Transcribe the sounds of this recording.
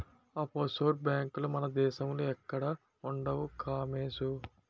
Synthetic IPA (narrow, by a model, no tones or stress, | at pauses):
ɐposoːʈ̚bjaːŋkulumɐnɐd̪ɛːʃɐmluɛkːɐɽɐ | uɳɖɐʋukʰaːmeːsu